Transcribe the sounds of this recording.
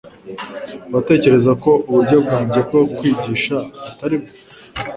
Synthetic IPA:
βate̞ːce̞ɾe̞zako̞ʔuβuɾɟo̞b̚ɡaːɲɟe̞bɡo̞kwiːɟiːʃautaɾib̚ɡo

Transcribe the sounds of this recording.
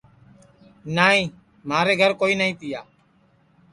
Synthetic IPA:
naːĩː | maːɾeːɡʱəɾkoːiːnaːĩːt̪ɪjaː

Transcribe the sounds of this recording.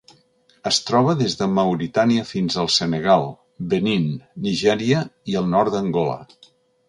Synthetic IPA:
əst̪ɾɔβ̞əðezðəməwɾit̪aniəfinzəlˠsənəɣ̞alˠ | bəninːiʒɛɾiəiəlˠnɔrd̪əŋɡɔlə̰

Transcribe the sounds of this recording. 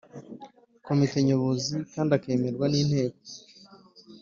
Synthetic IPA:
ko̞mite̞ɲoβozikaːndake̞ːme̞ɾɡwaniːn̥he̞ːk̚o̥

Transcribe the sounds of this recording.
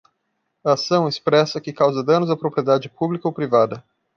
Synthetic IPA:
ɐasɐ̃w̃espɾɛsɐkɪkawzɐd̪ɐ̃nʊzd̪ɐpɾopɾied̪ad͡ʒɪpublikɐopɾivad̪ɐ

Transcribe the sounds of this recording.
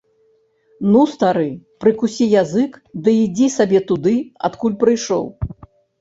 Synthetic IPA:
nust̪aɾɨpɾɨkusʲijazɨkd̪ɨid͡zʲisabʲɛt̪ud̪ɨa̰t̪kulʲpɾɨjʂɔ̰w

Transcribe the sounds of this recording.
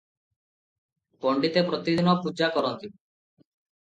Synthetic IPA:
pɔɳɖit̪epɾɔt̪id̪inɔpud͡ʒakɔɾɔnt̪ib

